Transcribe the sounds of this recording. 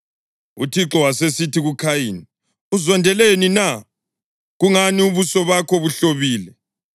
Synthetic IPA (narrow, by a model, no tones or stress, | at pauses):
utʰiǁɔwasesitʰiɣukʰajini | uzɔndʱɛlenina | ɣuŋaniuβusɔβakʰɔβuɬoβiːlɛ